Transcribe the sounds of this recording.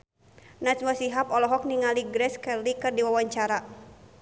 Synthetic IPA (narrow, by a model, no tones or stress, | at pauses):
nat͡ʃwasiɦapɔlɔɦɔk̚niŋaliɡɾɛskɛlikɨrdiwawaɲt͡ʃaɾa